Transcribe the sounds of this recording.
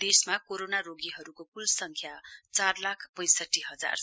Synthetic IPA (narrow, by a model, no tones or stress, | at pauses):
d̪̥esmakoɾonaɾoɡiɦʌɾukopulsʌŋkʰjat͡sarlakʰpʌj̃sʌʈːiɦʌd͡za̰r